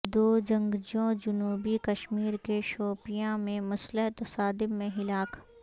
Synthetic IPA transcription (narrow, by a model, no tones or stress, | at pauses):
d̪oːd͡ʒɐ̃ŋɡd͡ʒõd͡ʒʊnuːbikɐʃmiːɾkeʃɔːpijãmẽmɐsləɦt̪ɐsaːd̪ɪmːẽɦɪlaːkʰ